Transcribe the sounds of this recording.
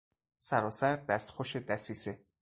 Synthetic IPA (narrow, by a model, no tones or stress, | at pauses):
sæɾɒːsæɾd̪æst̪xoʃed̪æsiːse